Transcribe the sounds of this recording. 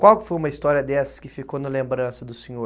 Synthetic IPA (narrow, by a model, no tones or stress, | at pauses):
kwawkɪ̥fojumɐist̪ɔɾiɐd̪ɛsɐ̥skɪfikownɐlẽmbɾɐ̃sɐd̪ʊsẽɲoɾ